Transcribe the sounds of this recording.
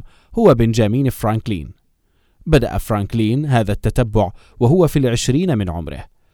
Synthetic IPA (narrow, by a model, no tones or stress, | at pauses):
hʊwabɪnd͡ʒaːmiːnfɾaːŋklḭːn | bad̪a̰ʔa̰fɾaːŋkliːnɦaːðat̪ːat̪abːʊʕ | waɦʊwafilʕɪʃɾiːnmɪnʕʊ̰mɾɪ̰h